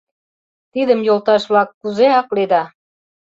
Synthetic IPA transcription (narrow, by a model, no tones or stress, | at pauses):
t̪id̪ə̆mjolˠt̪ɑʃβlɑkːuzeɑqled̪ɑ